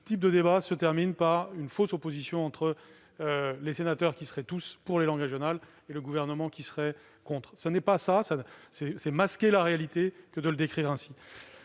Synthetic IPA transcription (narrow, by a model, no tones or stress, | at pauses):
sət̪ip̚d̪əd̪ebasət̪ɛʁminpaʁynfosopozisjɔ̃ɑ̃t̪χə | ølesenat̪œʁkʲisəʁɛt̪uspuʁlelɑ̃ɡʁeʒjɔnal | eləɡuvɛʁnəmɑ̃kʲisəʁɛ | kɔ̃t̪χsənɛpasasasɛsɛmaskʲelaʁealit̪ekəd̪ələd̪ekχiʁɛ̃si